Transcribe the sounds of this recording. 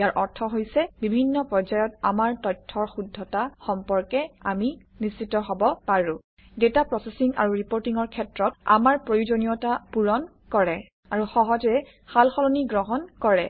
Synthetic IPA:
jaɹʔɔɹtʰɔɦojsɛbibʱinːɔpɹɔɹzajɔta̰maɹtɔjtʰːɔɹxudʱːɔtaxɔmpɔɹkɛa̰minisitɔɦobɔpaɹũ | detapɹɔsesiŋa̰ɹuɹipoɹtiŋɔɹkʰɛtɹɔta̰maɹpɹojud͡ʒonijɔtapuɹɔn | kɔɹɛ | aɹuxɔɦɔd͡ʒɛ | xalxɔlɔniɡɹɔɦɔnkɔɹɛ

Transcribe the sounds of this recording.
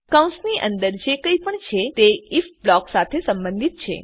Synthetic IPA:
kawũnsniʔənd̪əɾd͡ʒekəipəɳt͡ʃʰet̪eifblɔksat̪ʰesəmbə̃nd̪ʱit̪̚t͡ʃʰḛ

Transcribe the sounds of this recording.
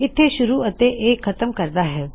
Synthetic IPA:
ɪt̪ʰːeʃʊɾuɐt̪eʔeːkkʰːɐt̪əmkɐɾd̪aɦɛː

